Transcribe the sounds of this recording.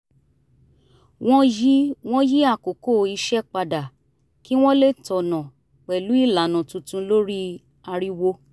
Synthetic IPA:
w̃ɔ̃˦ji˦w̃ɔ̃˦ji˦a˦˨ko˨ko˦˨i˧ʃɛ˦k͡pa˧da˨ | ki˦w̃ɔ̃˦le˦˨tɔ˨nã˨ | k͡pɛ˨lu˨˦i˦˨la˨nã˨tũ˨tũ˧lo˦ɾi˦ | a˧ɾi˦wo˧

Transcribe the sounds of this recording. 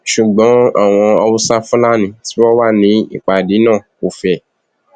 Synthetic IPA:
ʃu˨ɡ͡bɔ̃˨˦a̰˦˨w̃ɔ̃˧ɔ˧wu˦sa˦fũ˦la˦nĩ˨˦ti˨˦wɔ˦wa˦˨nĩ˧˦ḭ˦˨k͡pa˨di˨˦nãː˦˨ | o˨fɛ˨

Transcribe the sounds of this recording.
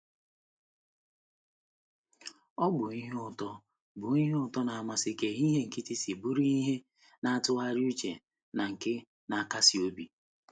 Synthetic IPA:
ɔ˦ɡ͡bʊ˨i˦ɦe˦ʊ˦˨tɔ˦ | bʊ˨i˦ɦe˦ʊ˦˨tɔ˦na˨a˨ma˨sɪ˦ke˨i˦ɦe˦ŋ̩˨ki˦ti˦si˨bu˦ɾi˦i˦ɦe˦ | na˦a˨tʊ˦a˦ɾɪ˦u˦t͡ʃḛ˨ | na˨ŋ̩˨kɪ˦ | na˨a˨ka˦si˨o˦bi˨

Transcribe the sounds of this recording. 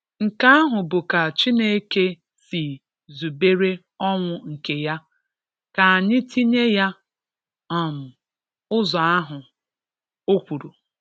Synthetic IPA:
ŋ̩˨ka˦a˦ɦʊ˨bʊ˨ka˨t͡ʃi˦ne˦ke˦ | si˨ | zu˨be˦ɾe˦ | ɔ˦ŋʷʊ˨ŋ̩˨ke˨ja˦ | ka˨a˨ɲɪ˦tʰi˦ɲe˦ja˦ | a˨m̩˨ | ʊ˦zɔ˨a˦ɦʊ˨ | o˦kʷu˨ɾu˨

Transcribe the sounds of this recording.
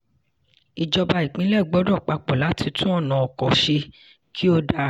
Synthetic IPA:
i˨d͡ʒɔ˧ba˧i˨k͡pĩ˨˦lɛ˦˨ɡ͡bɔ˨˦dɔ˦˨k͡pa˧k͡pɔ˨la˨˦tʰi˧tũ˦ɔ˦˨nã˨ɔ˨kɔ˨ʃe˧ | kʰi˦o˦da˧

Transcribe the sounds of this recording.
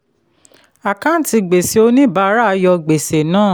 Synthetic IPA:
a˨kã˦n˦ti˧ɡ͡be˨se˧o˧nĩ˦˨ba˨˦ɾa˦˧jɔ˧ɡ͡be˨se˨nãː˦˨

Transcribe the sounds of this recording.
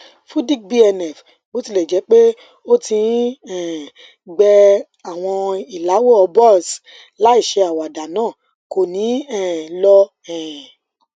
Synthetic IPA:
fũ˦di˦kbi˦ɛ˧nɛ˨f | ɡ͡bo˨˦ti˧lɛ˨d͡ʒɛ˨˦k͡pe˦ | o˦tĩ˧˦ɛ˨ | ɡ͡bɛ˧ | a˨w̃ɔ̃˧i˨la˨˦wo˦˨ɔ˧bɔ˦˨s | la˨˦i˦˨ʃe˧a˨wa˨da˨nãː˦˨ | ko˨nĩ˨˦ɛ̃˦˨lɔ˦ | ɛ̃˨ɛ̃˨

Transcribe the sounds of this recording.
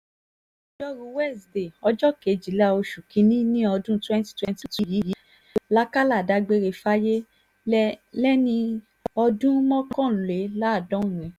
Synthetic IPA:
d͡ʒɔ˦ɾũ˧˦wɛ˦˨sde˨ɔ˧d͡ʒɔ˦ke˨˦d͡ʒi˨˦la˦o˧ʃu˨kĩ˨˦nĩ˦nĩ˦ɔ˧dũ˦twɛ̃˦nti̥˦twɛ̃˦nti˦ti˧˦ji˨˦ji˨˦ | la˦ka˦la˦˨da˧ɡ͡be˧ɾe˧˨fa˦je˦ | lɛ˦nĩ˧ | ɔ˧dũ˦mɔ̃˦kɔ̃˦˨le˨˦la˦˨dɔ̃˨˦ũ˨ɛ̃˨˧

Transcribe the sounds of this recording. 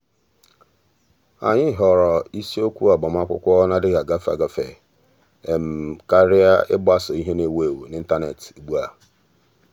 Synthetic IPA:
a̰˨ɲɪ˦ɦɔ˨ɾɔ˨i˦si˦o˦kʷu˦a˨bɔ˨m˦a˦kʷʊ̰˦kʷɔ˦na˦dɪ˦ɣa˨ɡa˦fa̰˨ɡa˦fe˨ | e˨m̩˨ka˦ɾɪ˦a˦ɪ̰˦ba˦sɔ˨i˦ɦe˦ne˨we˦˨wni˦n̩˦ta˦ne˨ti˨ɡ͡bu˦a˨

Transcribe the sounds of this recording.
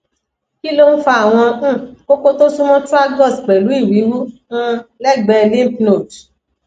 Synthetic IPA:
ki˦lo˦n̩˦fa˧a˨w̃ɔ̃˧˦˨o˦k͡po˦to˦su˦mɔ̃˦tu˦a˦ɡɔ˦˨sk͡pɛ˨lu˨˦i˦˨ɾĩ˨˦wũ˦ | lɛ˦˨ɡ͡bɛ˧nĩ˦pi˦no˦˨t

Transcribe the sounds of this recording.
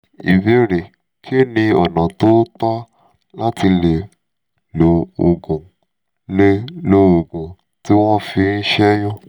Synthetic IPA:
i˨be˨˦ɾe˨ | kʰi˦e˦˨nĩ˧ɔ˨nã˨to˦tɔ˦ | la˦ti˧le˨ | lo˨o˨ɡũ˨ | le˦lo˦o˨ɡũ˨ | ti˦w̃ɔ̃˦fi˧n̩˦ʃɛ˦jɔ̃˦˨

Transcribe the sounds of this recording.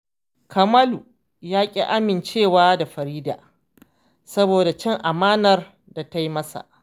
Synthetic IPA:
kʰɐ˨mɐ˦lu˨ | jaː˦kʲʼḭ˦ʔa˦mɪ˨nt͡ʃeː˦˨waː˦da˨ɸɐ˨ɾiː˦da̰ː˨ | sɐ˦boː˨da˨t͡ʃɛ˦ŋʔa˨maː˦nɐ˨r | da˨ta˦jmɐ˦sa̰˨ʔ

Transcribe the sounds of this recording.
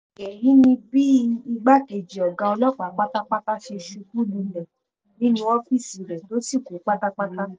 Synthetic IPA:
e˨jĩ˨˦nĩ˧bi˦i˧ɡ͡ba˦ke˨d͡ʒi˨ɔ˨ɡã˧ɔ˧lɔ˦k͡pa˨˦k͡pa˦ta˦k͡pa˦ta˦ʃe˧ʃu˧tu˦lu˨˧˦lɛ˨ | nĩ˦nĩ˧ɔ˦fi˦˨si˨ɾɛ˨to˨˦si˦˨ko˨˦k͡pa˦ta˦k͡pa˦ta˦

